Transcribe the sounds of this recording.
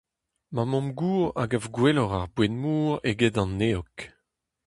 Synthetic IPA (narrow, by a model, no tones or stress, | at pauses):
mamɔ̃mɡuːʁa̰ɡavɡwelɔʁaʁbwenmuːʁeɡedɑ̃nːeɔk